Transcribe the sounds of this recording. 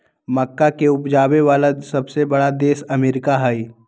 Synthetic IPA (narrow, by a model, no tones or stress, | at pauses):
məkːakeʊpd͡ʒaːweʋaːlasɐbsebɐɽad̪eːsɐmeːɾɪkaɦaiː